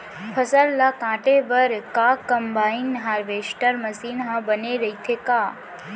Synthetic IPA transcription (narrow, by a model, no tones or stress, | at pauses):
pʰəsəlːakãʈeʋəɾkakəmbainɦaɾʋesʈəɾməsinɦãbəneɾəɦit̪ʰeka